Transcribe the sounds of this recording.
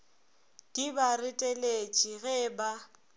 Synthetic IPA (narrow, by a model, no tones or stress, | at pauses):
d̥ibarɪtʼelet͡ʃʼiɣɛba